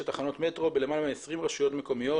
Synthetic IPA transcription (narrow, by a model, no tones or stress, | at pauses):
et̪aχano̞t̪me̞t̪ʁo̞belemalameesʁimʁaʃujo̞t̪meko̞mijo̞